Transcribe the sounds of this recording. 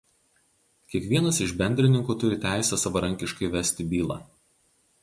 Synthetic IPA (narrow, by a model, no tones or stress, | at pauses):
kʲiɛkʋʲiɛnɐsɪʒbʲɛnʲd̪ʲɾʲɪnʲɪŋkuːt̪ʊɾʲɪt̪ʲæˑɪsʲɛsɐʋɐɾɐŋʲkʲɪʃkɐɪʋʲɛsʲt̪ʲɪbʲiːlˠɑ̰ː